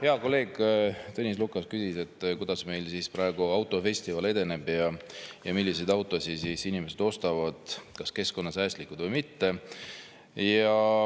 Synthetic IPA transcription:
heɑko̞lːe̞ːɡt̪ɤnʲis̬lukːˑɑskysise̞t̪ːˑkujd̪̥ɑsme̞jlsiːspɾɑe̞ɡ̥uɑwt̪ːˑo̞fe̞sʲt̪ivɑle̞d̪̥e̞ne̞bjɑjɑmilːise̞jd̪ɑwt̪ːˑo̞sʲisiːsinimese̞d̪̥o̞st̪ɑvɑd̪̥kɑske̞sko̞nːɑsæːsʲt̪likːˑud̪vɤjmit̪ːe̞ | jɑ

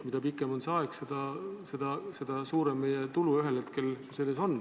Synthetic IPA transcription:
mid̪̥ɑpikːˑemo̞nseɑeksed̪ɑse̞d̪̥ɑse̞d̪̥ɑsuːɾemːejet̪uluyɦelhet̪̚ke̞lse̞lːe̞so̞nː

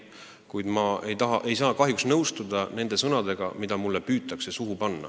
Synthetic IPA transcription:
kujd̪mɑʔe̞jt̪ɑɦɑʔe̞jsɑːkɑɦjuksnɤwst̪ud̪̥ɑne̞nd̪̥e̞sɤnɑd̪̥e̞ɡ̥ɑ̰mid̪ɑmulːepyːt̪ːˑɑksesuɦupɑnːɑ̰

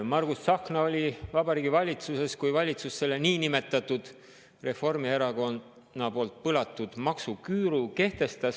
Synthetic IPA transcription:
mɑrɡusːɑknɑo̞lʲivɑbɑɾiːɡ̥ivɑlʲit̪suse̞skujvɑlʲit̪susːe̞lːeniːnime̞t̪ˑːɑt̪ːˑud̪̥ | re̞fo̞rmieɾɑɡo̞n | nːɑpo̞lt̪̚pɯlɑt̪ːˑud̪̥mɑksukyːɾuke̞ht̪e̞st̪ɑs

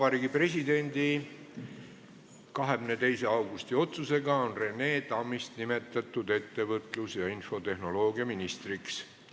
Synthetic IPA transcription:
ɑb̥ɑɾiːɡipre̞s̬ʲid̪e̞nʲd̪i | kɑɦe̞mmnet̪e̞jse̞ɑwɡ̥ust̪io̞t̪suse̞ɡɑonre̞ne̞ːt̪ɑmːist̪nime̞t̪ːˑɑt̪ːˑud̪e̞t̪ːe̞vɤt̪ˑlusjɑinfo̞t̪e̞ɦno̞lo̞ːɡiɑminist̪riks

